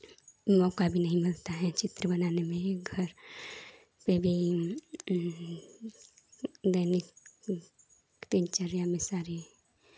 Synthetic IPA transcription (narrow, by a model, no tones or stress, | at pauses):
mɔːkabʱinəɦĩmɪlt̪aɦɛt͡ʃɪt̪ɾəbənaːnemẽɡʱəɾ | pebʱi | d̪əɪnɪk | t̪ẽɲt͡ʃəɾjãmẽsaːɾi